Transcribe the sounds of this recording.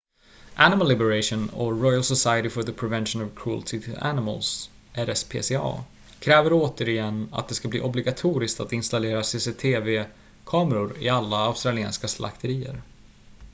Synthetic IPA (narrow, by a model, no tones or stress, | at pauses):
ʔænɪməlːɪbəɾaʂɔnɔ̰ɾɔjalsɔsajəɾɪfɔðəpʰɾɛvɛnʃənɔvkʰɾult̪ʰɪt̪ʰɪæ̰nɪmə̰ls | ʔɛɾɛspʰḛːseɑ̰ː | kʰɾɛːvəɾoːt̪əɾɪjɛnːa̰t̪̚d̪ɛskablḭːʔɔblɪɡat̪ʰuːɾɪskt̪at̪ɪnst̪aleːɾaseseːt̪ʰeːveː | kʰɑːməɾʊɾɪ̰alːaaʊst̪ɾalɪɛ̰ːnskaslʔa̰kt̪ʰəɾiːə̰ɾ